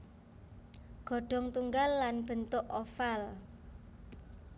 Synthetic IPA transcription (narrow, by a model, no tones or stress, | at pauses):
ɡ̥ɔ̤ɖ̥ɔ̤ŋt̪uŋɡalːanb̥ə̤nt̪ʊʔɔfal